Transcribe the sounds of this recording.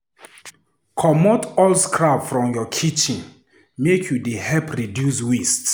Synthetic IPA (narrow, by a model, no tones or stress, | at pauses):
kʰɔmɔtɔlskʰɹapfɹɔ̃mjɔkʰit͡ʃĩn | mekʰjudihɛpʰɹidjuswist